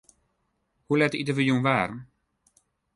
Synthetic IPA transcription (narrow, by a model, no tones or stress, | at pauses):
hulɛtəitəʋəjunʋaːrn̩